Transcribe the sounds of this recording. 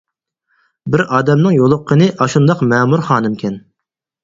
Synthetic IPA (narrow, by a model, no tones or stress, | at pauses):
bɪɾɑːd̪ɛmnɨŋjolˠʊqʰːənɨʔɑʃund̪ɑqmɛːmuɾχɑːnɨmkʲʰɛn